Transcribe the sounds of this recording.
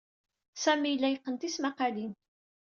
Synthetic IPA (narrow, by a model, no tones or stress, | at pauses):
sæmilːæjqːənt̪ismaqalin